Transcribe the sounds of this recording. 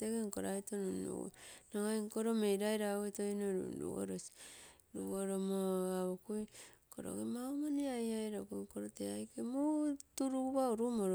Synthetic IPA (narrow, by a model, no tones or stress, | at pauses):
teɡeŋkoɾaitonunṵnoŋajŋkoɾomejɾajɾaetojnoɾṵɾṵo̰ɾosi̥ | ɾṵβoɾomoaβokujko̰ɾo̰ɡemaomaniajajɾokujŋkoɾoteajkemutuɾuβauɾumoɾ